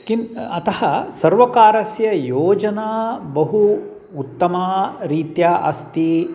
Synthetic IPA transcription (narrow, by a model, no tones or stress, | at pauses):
kinɐt̪ɐhɐsɐɾʋɐkaːɾɐsjɐjoːd͡ʒɐnaːbɐɦu | ut̪ːɐmaːɾiːt̪jaːʔɐ̰st̪i